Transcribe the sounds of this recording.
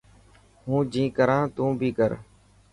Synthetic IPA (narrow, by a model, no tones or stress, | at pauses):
ɦũːd͡ʒĩːkəɾãːt̪ũːbʱiːkəɾ